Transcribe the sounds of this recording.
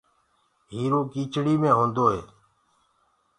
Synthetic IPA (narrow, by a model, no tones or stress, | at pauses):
ɦiːɾoːkiːt͡ʃɽiːmẽːɦõːnd̪oːɦḛː